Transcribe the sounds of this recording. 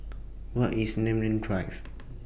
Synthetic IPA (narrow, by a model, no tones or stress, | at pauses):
wɔtisnẽmlĩndɹaɪf